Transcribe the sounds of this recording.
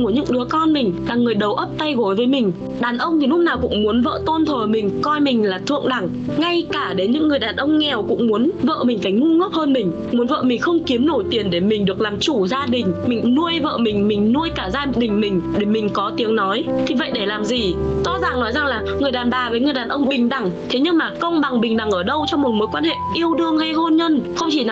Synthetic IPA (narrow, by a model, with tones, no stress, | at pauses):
u˧˩əɲɨ̰˧˥ŋɗɨ˨˦əkɔ˧nmï˨˩ŋ̟laː˨˩ŋɨ˨˩əjɗə˨˩wʔə˦˥p̚t̪a˧jɣo˨˩jvəː˨˦jmï˨˩ŋ̟ | ɗaː˨˩nʔə˧wŋ͡mt̪ʰi˨˩lʊ˦˥naː˨˩wkʊ̰˧˥ŋ͡mmu˨˦ənvə̰ː˧˨t̪o˧nt̪ʰəː˨˩mï˨˩ŋ̟kɔ˧jmï˨˩ŋ̟laː˨˩t̪ʰɨ̰˧əŋɗa˨˧˩ŋ | ŋa˧jkaː˧˩ɗe˨˦ɲɨ̰˧˥ŋːɨ˨˩əjɗaː˨˩nʔə˧wŋ͡mŋɛ˨˩wkʊ̰˧˥ŋ͡mmu˨˦ənvə̰ː˧˨mï̟˨˩faː˧˩jŋu˧ŋə˦˥p̚həː˧nmï˨˩ŋ̟ | mu˨˦ənvə̰ː˧˨mï˨˩ŋ̟xə˧wŋ͡mki˨˦əmno˧˩jt̪i˨˩ənɗe˧˩mï˨˩ŋ̟ɗɨ˨˩ək̚laː˨˩mt͡ɕu˧˩zaː˧ɗï˨˩ŋ̟mï˨˩ŋ̟nu˧əjvə̰ː˧˨mï˨˩ŋ̟mï˨˩ŋ̟nu˧əjkaː˧˩zaː˧ɗï˨˩ŋ̟mï˨˩ŋ̟ɗe˧˩mï˨˩ŋ̟kɔ˨˦t̪i˨˦əŋnɔ˨˦jt̪ʰi˨˩və̰˧˨jɗe˧˩laː˨˩mzi˨˩t̪ɔ˨˦za̰ː˧˨˩ŋnɔ˨˦jza˨˩ŋlaː˨˩ŋɨ˨˩əjɗaː˨˩nɓaː˨˩vəː˨˦jŋɨ˨˩əjɗaː˨˩nʔə˧wŋ͡mɓï˨˩ŋ̟ɗa˧˩ŋt̪ʰe˨˦ɲɨ˧ŋmaː˨˩kə˧wŋ͡mɓa˨˩ŋɓï˨˩ŋ̟ɗa˨˩ŋʔəː˧˩ɗə˧wt͡ɕɔ˧ŋ͡mmo˨˩t̚moː˨˦jkwaː˧nhḛ˧˨ʔi˧əwɗɨ˧əŋha˧jɦo˧nɲə˧nxə˧wŋ͡mt͡ɕi˧˩n˨